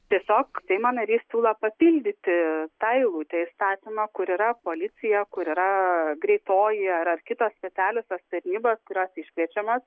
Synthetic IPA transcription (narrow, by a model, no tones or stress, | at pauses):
t̪ʲiɛsʲoːksʲɛɪmɐnɐɾʲiːssʲuːlˠɐpɐpʲɪlʲd̪ʲɪt̪ʲɪt̪ɐɪlˠuːt̪ʲɛɪst̪ɑːt̪ʲɪmɑkʊɾiːɾɐpoːlʲɪt͡ssʲɪjɛkʊɾiːɾɐɡɾʲɛɪt̪oːjɪɐɾɐrkʲɪt̪ɐːsʲpʲɛt͡s̪ʲæːlʲʊsʲɐst̪ɐɾʲnʲiːboːskʊɾʲoːsɪʃʲkʲʋʲiɛt͡ʃʲɛmoːs